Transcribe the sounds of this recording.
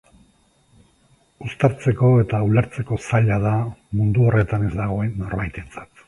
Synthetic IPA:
ust̪aɾt͡se̞ko̞e̞t̪auleɾt͡se̞ko̞saʎað̞amund̪uo̞re̞t̪ane̞zd̪aɣ̞o̞enːo̞rβajt̪e̞t͡sḁt̪

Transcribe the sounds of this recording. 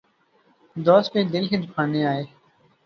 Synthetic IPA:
d̪oːspẽːd̪ɪlkeːd̪ʱʊkʰaːneːaːeː

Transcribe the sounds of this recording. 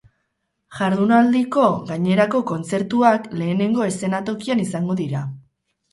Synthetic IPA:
ʝaɾðunald̪iko̞ɣaɲe̞ɾako̞ko̞nt͡se̞ɾt̪uakle̞ːne̞ŋɡo̞e̞se̞nat̪o̞kianisaŋɡo̞ðiɾa

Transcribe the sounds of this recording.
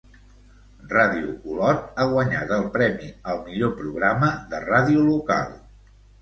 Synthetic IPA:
raðiṵkulɔɾaɣwəɲa̰t̪əlˠpɾɛmiəlˠmiʎopɾuɣ̞ɾaməðəraðiuluka̰lˠ

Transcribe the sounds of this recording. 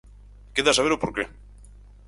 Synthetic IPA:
keðasaβeɾopoɾke

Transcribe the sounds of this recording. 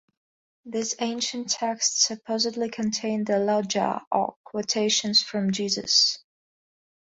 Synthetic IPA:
ðizẽɪ̃nʃɨ̃ntʰɛkstsɨpʰoʊzɨtˡlikʰɨ̃ntʰẽɪ̃nəlad͡ʒə̰ʔə̰kʰwoʊtʰeɪʃɨ̃nz̥fɹʌ̃md͡ʒizə̰s

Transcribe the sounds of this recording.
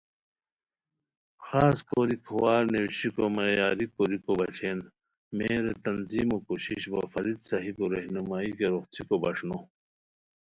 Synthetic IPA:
xaːskoɾikʰowaːɾnewʃikomɐjaːɾikoɾikobɐt͡ɕʰeːn | meːɾet̪ɐnziːmokoɕiɕbɐ̰fɐɾid̪sɐɦibuɾɐɦnumaːikeɾoxt͡sʰikobɐʂno

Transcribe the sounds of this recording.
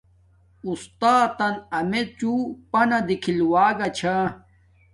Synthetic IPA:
ust̪aːt̪ɐnɐmet͡ɕupɐnɐd̪ikʰilwaːɡɐt͡ɕʰa

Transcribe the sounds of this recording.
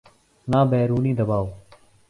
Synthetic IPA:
naːbɛːɾuːniːd̪əbaːoː

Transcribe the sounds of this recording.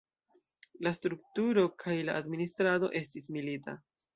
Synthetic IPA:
lastɾuktuɾo̞kʰajlaʔadministɾado̞̰ʔe̞stismilita̰

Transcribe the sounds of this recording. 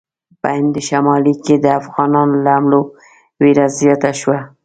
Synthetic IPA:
pəhɪnd̪əʃamɑliked̪əafɣɑnɑnolaamlo | weɾazjɑt̪aʃwa

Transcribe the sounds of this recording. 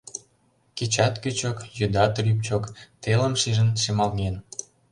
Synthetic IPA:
ket͡ɕɑt̪kyt͡ɕokjyd̪ɑt̪ryp̚t͡ɕokt̪elə̆mʃiʒə̆nʃemɑlɣen

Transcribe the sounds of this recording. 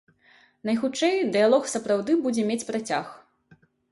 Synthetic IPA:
nɐjxut͡ʂɛjd̪ɨjalˠɔxsɐpɾawd̪ɨbud͡zʲɛmʲet͡sʲpɾat͡sʲax

